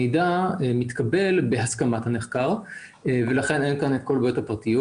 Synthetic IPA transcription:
ejdaemit̪kabe̞lbehaskamat̪haneχkaʁ | ve̞laχe̞ne̞nkanet̚kolbjothapʁat̪ijo

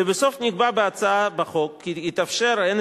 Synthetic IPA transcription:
ebesofniɡbabeat͡saabaχokːiit̪afʃeɾaen

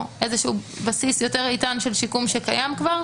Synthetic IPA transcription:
ʔezeʃeu | basisjo̞te̞ʁitanʃe̞lʃikumʃekajamkvaʁ

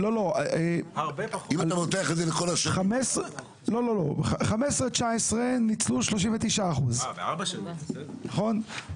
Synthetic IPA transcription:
lo̞lo̞aeabpimaamot̪eaχelzelekolaʃamese | lo̞lo̞lo̞χχamesʁet͡ʃaesʁenit͡sluʃlo̞ʃiɱvet̪iʃaːχuzvabaʃnaχo̞n

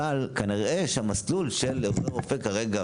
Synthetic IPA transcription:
alkaniʁʔeʃeamaslulʃelːeozoʁofekaʁeɡa

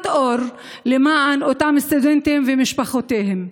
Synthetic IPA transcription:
t̪ʔoɾ | lemaʕanot̪amist̪ud̪ent̪ehemvemiʃpaχot̪ehem

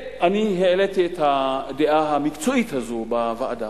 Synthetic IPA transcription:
aniɦelet̪et̪adeʔaɦamikt͡suit̪ʰazobavaʔda

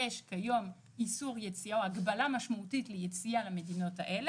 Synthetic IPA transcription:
eʃkajo̞m | isuʁjet͡siaoaɡbalamaʃmautitlejet͡sialeme̞dino̞taʔele

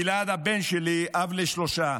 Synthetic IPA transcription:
ilad̪abɛnʃeliʔavleʃloʃa

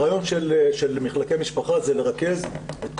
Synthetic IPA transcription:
ajo̞nʃelʃelmiχlakemiʃpaχazele̞ʁake̞zet̪k

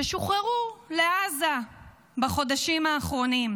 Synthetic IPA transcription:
eʃuχeʁule̞aza | baχo̞daʃimaːχʁo̞nim

